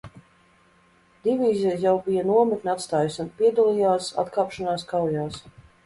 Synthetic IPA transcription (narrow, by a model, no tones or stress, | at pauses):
d̪̥ʲivʲiːzʲijawbijanuɔmit̪nʲat̪st̪aːjisunpiɛd̪alijaːsa̰t̪kaːpʃanaːskawjaːs